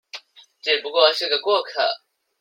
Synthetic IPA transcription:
ʈ͡ʂɛ˥˩pu˧˥kwɔ˥˧ʂɻ̩˥˩ɡə˨˩kwɔ˥˩kʰə̰˨˩˦

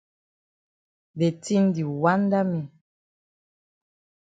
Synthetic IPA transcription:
be˨ti˦n˦di˨wa˦n˦da˦mi˨

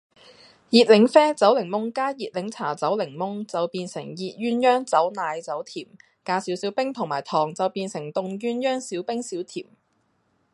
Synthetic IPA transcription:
jiː˨t̚lɪ˨˥ŋfɛː˥t͡sɐ˨˥wlɪ˨˩ŋmʊ˥ŋkaː˥jiː˨t̚lɪ˨˥ŋt͡sʰaː˨˩t͡sɐ˨˥wlɪ˨˩ŋmʊ˥ŋt͡sɐ˨wpiː˧nsɪ̰˨˩ŋjiː˨t̚ɥyː˥njœː˥ŋt͡sɐ˨˥wnaː˨˧jt͡sɐ˨˥wt̪ʰiː˨˩m | kaː˨˥siː˨˥wsiː˨˥wpɪ˥ŋt̪ʰʊ˨˩ŋmaː˨˩jt̪ʰɔː˨˩ŋt͡sɐ˨wpiː˧nsɪ˨˩ŋt̪ʊ˨˧ŋjyː˥njœː˥ŋsiː˨˥wpɪ˥ŋsiː˨˥wt̪ʰiː˨˩m

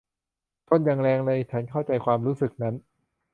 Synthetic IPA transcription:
t̪ʰo˥˩nja˧ŋɾɛː˧ŋlɤː˧jt͡ɕʰa˦˥nkʰa˥˩wt͡ɕa˧jkʰwaː˧mɾuː˦˥sɯ˨˩k̚na˦˥n

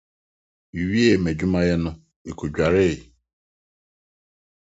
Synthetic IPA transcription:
i˨wi˦e˦˨me˨d͡ʒu˦ma˦ɣɪ˦nʊ˦ | i˨ku˨d͡ʒᶣa˨ɾɪ˦ɪ˨

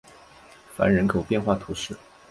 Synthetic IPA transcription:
fa̰˧˥nɻə˧˥nkʰo˨˩ʊpjɛ˥˧nxwa˥˩t̪ʰu˧˥ʂɻ̩˥˩

